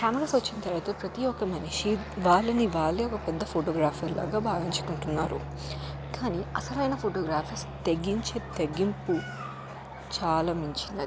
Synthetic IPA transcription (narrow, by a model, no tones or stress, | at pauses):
kaːmɐɾɐːsʋɐt͡ʃːinɐt̪ɐɾɐːt̪oːpɾɐt̪iokɐmɐniʃiʋaːɭːɐniʋaːɭːeɔkɐpɛd̪ːɐpʰoːʈoːɡɾaːfʰɐɾla̰ːɡaːbʱaːʋiɲt͡ʃu̥kuɳʈunːa̰ːɾṵ | kaːniɐsɐlɐjnɐpʰoːʈoːɡɾaːpʰɐs | t̪eɡːiɲt͡ʃeːt̪eɡimpu | t͡ʃaːlɐmiɲt͡ʃinɐi